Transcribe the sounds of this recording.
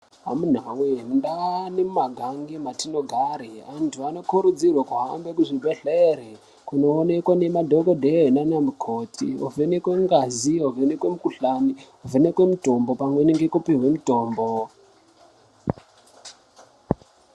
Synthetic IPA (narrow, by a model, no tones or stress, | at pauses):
ɦa̰mun̤awendanemumaɡʱaŋɡematino̞ɡʱaɾeantʰuano̞kuɾud͡zirwakuɦambe̞kuʐibʱeɮere | kuno̞ːnekwane̞madʱokodʱeɦenanamukʰotʰḭo̰venekweŋɡaziovenekwe̞mukuɬaniovʱenekwe̞mutombo̞pamweniŋɡekupiɦwemutoːmbo